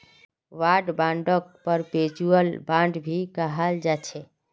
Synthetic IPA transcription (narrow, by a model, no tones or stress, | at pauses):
ʋaɖbãɳɖək̚pəɾpet͡ʃuəlbãɳɖbʱikəɦəld͡ʒat͡ʃʰɛ